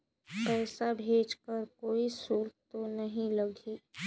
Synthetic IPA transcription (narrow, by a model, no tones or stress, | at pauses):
pɛːsabʱeːd͡ʒkəɾkoːisuːɾt̪onɐɦĩlɐɡʱi